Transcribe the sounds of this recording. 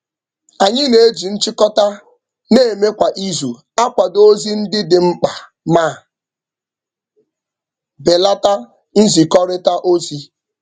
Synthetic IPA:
a˨ɲɪ˦ne˨e˦d͡ʒi˨n̩˦t͡ʃɪ˦kɔ˦ta˦ | ne˦e˨me˦kʷa˨ʔi˦zu˨ | a˦kʷa˨do˦zi˦n̩˦dɪ˦dɪ˨ŋ͡m̩˦k͡pa˨ | maː˦˨ | be˨la˦ta˦ | n̩˦zi˨kɔ˦ɾɪ˦ta˦ʔo˦zi˦

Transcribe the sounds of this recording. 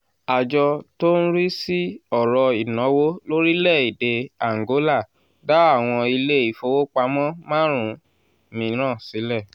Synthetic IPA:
a˨d͡ʒɔ˧to˦n̩˦ɾi˦si˦ɔ˦˨ɾɔ˧i˨nɔ̃˨˦wo˦lo˦ɾi˦lɛ˦˨i˨de˧a˨ŋ̩˨ɡo˨˦la˦˨ | da˨˦a˦˨w̃ɔ̃˧i˧le˦i˦˨fo˧wo˦k͡pa˧mɔ̃˦mãː˦ɾ̃ũ˨˦ | mĩ˧˦ɾ̃ãː˦˨si˨˦lɛ˦˨

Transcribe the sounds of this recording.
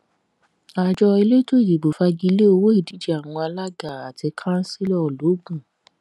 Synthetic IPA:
a˧˨d͡ʒɔ˧i˧le˦to˦i˦˨di˨bo˨fa˧ɡi˧le˦o˧wo˦i˦˨di˨˦d͡ʒi˦a˨w̃ɔ̃˧a˧la˦ɡa˦˨a˨ti˧kʰã˦n̩˦si˦lɔ˦˨lo˨˦ɡũ˦˨

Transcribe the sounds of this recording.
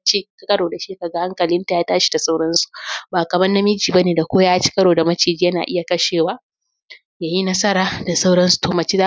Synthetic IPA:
t͡ʃi˦ka˦kʼɐ˦ɽoː˨da˨ʃiː˦ka˨ɡa˦ha˦ŋkɐ˨lɪ˦nta˨jaː˦taː˦ʃi̥˨da˨sa˦wɽɐ˦nsu̥˨baː˨kɐ˨mɐ˦nnːɐ˦mɪ˦d͡ʒiː˨ba˦neː˨da˨kʷoː˦jaː˦t͡ʃi̥˦kʼɐ˦ɽoː˨da˨mɐ˦t͡ʃeː˨d͡ʒi˦jɐ˦na̰˨ʔɪ˦ja˨kɐ˦ʃeː˨waː˦ | jaː˨ji˦nɐ˦sɐ˦ɾaː˨da˨sa˦wɽɐ˦nsu̥˨toː˨mɐ˨t͡ʃiː˦za˦

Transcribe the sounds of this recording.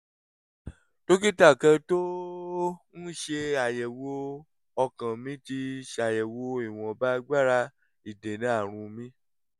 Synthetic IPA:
to˦k̬i˦ta˦˨kɛ˧to˦ | n̩˦ʃe˧a˨jɛ˨wo˧ | ɔ˧kã˨mĩ˨˦ti˧ʃe˧a˨jɛ˨wo˧i˦˨w̃ɔ̃˧ba˦ɡ͡ba˦ɾa˧ | i˨de˨nĩ˨˦a˦˨ɾ̃ũ˧mĩ˨˦

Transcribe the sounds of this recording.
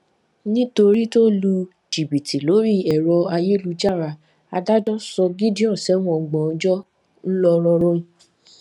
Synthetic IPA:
nĩ˦to˧ɾi˦to˦lu˧ | d͡ʒi˨bi˨tʰi˨lo˨˦ɾi˦ɛ˨ɾɔ˧a˧je˦lu˧d͡ʒa˦˨ɾa˧ | a˧da˦dɔ̃˦sɔ˧ɡi˦di˦ɔ̃˦˨sɛ˨˦w̃ɔ̃˨ɡ͡bɔ̃˨ɔ˧d͡ʒɔ˦ | n̩˦lɔ˧ɾ̃ɔ̃˧ɾ̃ɔ̃˧ĩ˨

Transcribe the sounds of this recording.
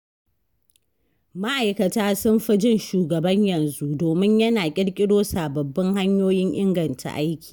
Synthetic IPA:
ma˦ʔa˨jkɐ˨taː˦sʊ˦mɸɪ˦d͡ʒɪ˦nʃuː˨ɡɐ˨bɐ˦ɲjɐ˨nzu˦doː˨mɪ˦ɲjɐ˦naː˨kʲʼɪ˦ɽkʲʼɪ˦ɽoː˦saː˨bɐ˨bːɐ˦ŋha˦ɲjoː˦jɪ˦ɲʔɪ˦ŋɡɐ˨ntʰa̰˨ʔa˦jkʲi̥ː˨

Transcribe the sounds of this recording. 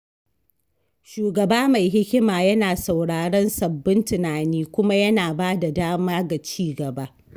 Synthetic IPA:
ʃuː˨ɡɐ˨baː˦ma˨jɦɪ˦kʲɪ˦maː˨jɐ˦naː˨sa˨wɽaː˨ɽɔ˦nsɐ˨bːɪ˦ntɪ˨naː˨niː˦kʷʊ˦ma˦jɐ˦naː˨baː˦da˨daː˦maː˦ɡa˨t͡ʃiː˦ɡɐ˨ba˦

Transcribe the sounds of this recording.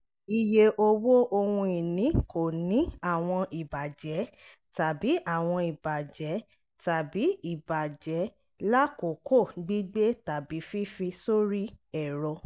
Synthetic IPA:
i˧je˧ʔo˧wo˦ʔo˧wũ˧i˨nĩ˨˦ko˨nĩ˨˦a˦˨w̃ɔ̃˧i˨ba˨d͡ʒɛ˨˦ | ta˨bi˨˦ʔa˦˨w̃ɔ̃˧i˨ba˨d͡ʒɛ˨˦ | ta˨bi˨˦i˦˨ba˨d͡ʒɛ˨˦ | la˦ko˨ko˦˨ɡ͡bi˦ɡ͡be˦ta˨bi˨˦fi˦fi˧so˦ɾi˦ɛ˨ɾɔ˧

